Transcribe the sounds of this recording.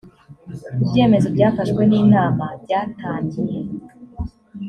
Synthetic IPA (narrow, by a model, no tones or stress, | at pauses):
ibje̞ːme̞zo̞bɟaːfaʃkwe̞niːnaːmabɟaːtaːɲɟije